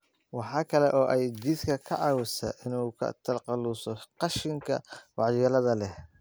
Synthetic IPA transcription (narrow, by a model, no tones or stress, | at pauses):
wɑħɑːkʰɐlɛʔɔːʔɛjt͡ʃiskʰɐkʰɐʕɑwʊsɐ̰ʔɪnuːkʰɐ̰t̪ʰɐlqɑluːsɔqɑʃɪŋkʰɐ̰wɑʕjɛlɐðɐlɛh